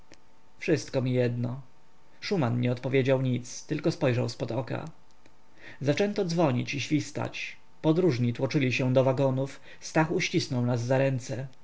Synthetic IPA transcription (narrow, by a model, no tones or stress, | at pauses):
fʂɘst̪kɔmʲijɛd̪nɔ | ʂumanɲɛɔt̪pɔvʲjed͡ʑawɲit̪st̪ɘlkɔspɔjʐawspɔd̪ɔka̰ | zat͡ʂɛnt̪ɔd̪zvɔɲḭt͡ɕiɕfʲist̪a̰t͡ɕ | pɔd̪ɾuʐɲit̪wɔt͡ʂɘlʲiɕɛd̪ɔvaɡɔnuf | st̪axuɕt͡ɕisnɔwnazːaɾɛnt̪sɛ